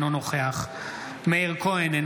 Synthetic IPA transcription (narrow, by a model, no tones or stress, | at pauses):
nonoχeaχ | meiʁkoenen